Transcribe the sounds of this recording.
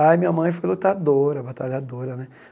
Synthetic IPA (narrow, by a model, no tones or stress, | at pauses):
ajmĩɲɐmɐ̃j̃fojlot̪ad̪oɾɐbat̪aʎad̪oɾɐnɛ